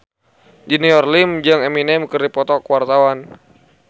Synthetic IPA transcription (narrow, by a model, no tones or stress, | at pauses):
d͡ʒiniɔrlimd͡ʒaŋɛminɛmkɨrdipɔt̪ɔkuwart̪awan